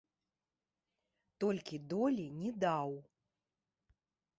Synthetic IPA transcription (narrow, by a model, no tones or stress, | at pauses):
t̪ɔlʲkʲid̪ɔlʲinʲɛd̪aw